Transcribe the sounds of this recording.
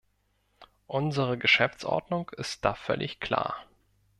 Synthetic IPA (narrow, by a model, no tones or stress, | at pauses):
ʔʊnzəʁ̞əɡəʃɛft͡sʔɔ̰ɐdnʊŋkɪst̚d̥aːfœlʔɪçkʰl̥a̰ːɐ